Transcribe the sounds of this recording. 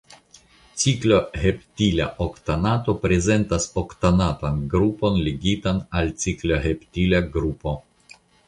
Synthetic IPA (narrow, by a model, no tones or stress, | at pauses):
t͡siklo̞heptila̰ʔokt̪anato̞pɾeze̞ntasoktanatanɡɾupo̞nleɡitanalt͡sikloɦeptilaɡɾupo̞